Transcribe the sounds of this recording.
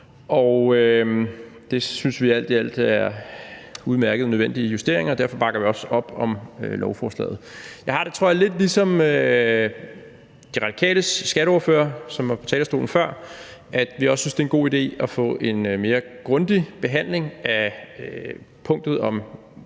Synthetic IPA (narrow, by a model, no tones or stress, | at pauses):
ʔɒʊø | d̥e̝synsʋiæl̰d̥iæl̰d̥æɐ | uð̞ˠmæɐɡ̥əð̞̩ˠnøðˠʋen̰d̥ijusd̥e̝ɐ̰e̝ŋɐːdæɐfɒ̽b̥ɑ̈ɡ̥ɐʋiɒ̽sɒ̽b̥ɒ̽mølʔɒʊfɒːslɛ̰ːð̩ˠjɑ̈ɪhɑ̈ɾ̥e̝t͡sʰʁo̝ɐɐle̝d̥lisɒ̽mø | d̥iʁɑ̈d̥ikʰɛ̰ːləsːɡ̥æɾəɒːɐfø̰ːɐsɒ̽mʋɑ̈pʰɒ̽t͡sʰɛːlsd̥o̝ːln̩fɶɐ̰ | ʔæd̥ʋiɒ̽ssynsd̥e̝enɡ̥o̝̰ːid̥e̝̰ːɒfɔ̰̽ʔe̝nme̝ːɐɡ̥ʁɔ̽nd̥ib̥e̝ɦæn̰le̝ŋæ | pʰɔ̽ŋ̰d̥ð̞̩ˠɒ̽m